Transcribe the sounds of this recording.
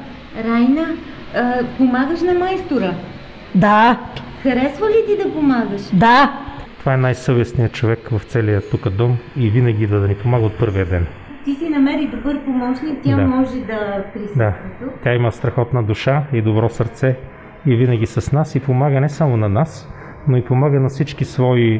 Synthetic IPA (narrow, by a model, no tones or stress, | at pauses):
ɾajnə | pomaɡəʃnɐmajst̪oɾə | d̪a | xɐɾɛsvəlit̪id̪ɐpomaɡəʃd̪at̪ovaɛnajsɤvɛsnijət͡ʃovɛkvɐft̪sɛlijət̪ːukəd̪ɔmivinɐɡʲid̪ɐd̪ɐnipomaɡəot̪̚pɤɾviəd̪ɛn | t̪isinɐmɛɾid̪obɤɾpomɔt͡ʃnikt̪ʲaamɔʒɛd̪ɐpɾisd̪aɛt̪ut̪ʲaimɐst̪ɾɐxɔt̪nəd̪uʃaid̪obɾɔsɐɾt̪sɛ | ivinəɡ̟ʲisəsnasipomaɡənɛsamonɐnas | noipomaɡənɐfsit͡ʃkisvɔi